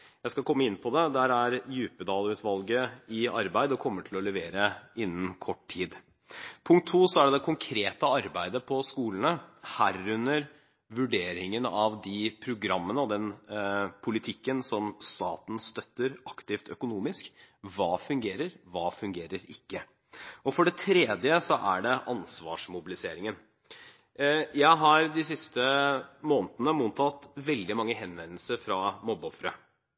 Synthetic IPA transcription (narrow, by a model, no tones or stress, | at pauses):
jæɪskɑkʰɔmːəɪnːpʰɔd̪ɛd̪ɛæɾæɾjʉːpəd̪ɑːlʉːt̪ʰʋɑlɡəɪɑɾbæɪd̪əɔkʰɔmːəʈʰɪlɔlɛʋeːɾəɪnːənkʰɔʈːʰiːd̪ | pʰʊŋk̚t̪ʰːuːsɔæɖd̪ɛkʰʊŋkʰɾeːt̪əɑɾbæɪd̪əpʰɔskuːlənəhæɾʉnːəɾ | ʋʉɖeːɾɪŋənɑʋd̪ɪpʰɾʊɡɾɑmːənəɔd̪ɛn | pʰʊlɪt̪ʰɪkːənsɔmst̪ɑ̰ːt̪n̩st̪œt̪ːəɾɑkt̪ɪft̪œkʊnuːmɪskʋɑːfʉŋɡeːɾəɾʋɑːfʉŋɡeːɾəɾɪkːə | ɔfɔɖɛt̪ʰɾeːd̪jəsɔʔæɖɛʔɑnsʋɑ̰ːʂmʊbɪlɪseːɾɪŋən | jæɪɦɑɾd̪ɪsɪst̪əmoːnt̪ənəmuːt̪ʰɑt̪ʋɛld̪ɪmɑŋːəɦɛnʋɛnəlsəɾfɾɑmɔbɔfɾə